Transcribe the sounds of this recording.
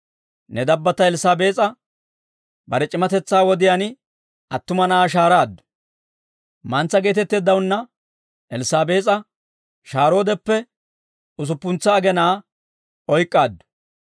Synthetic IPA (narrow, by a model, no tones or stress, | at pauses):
nɛd̪ɐbːɐt̪ɐɛlɪsaːbeːt͡sʼɐ | bɐɾɛt͡ʃʼɪmɐt̪ɛt͡sːaːwɔd̪ɪjan | ʔɐt̪ːʊmɐnɐaːʃ̬aːɾaːd̪ːʊ̥ | mɐnt͡sːɐɡe̞ːt̪ɛt̪ːeːd̪ːɐwʊnːɐ | ʔɛlɪsaːbe̞ːt͡sʼɐ | ʃaːɾo̞ːd̪ɛpːɛ | ʊs̬ʊpːʊnt͡sːɐːɡɛnaː | ɔjkʼːaːd̪ːʊ̥